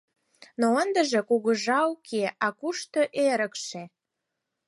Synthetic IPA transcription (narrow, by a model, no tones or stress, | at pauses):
noənd̪əʒekuɣəʒɑukʰeʔɑkuʃt̪oʔeɾəkʃe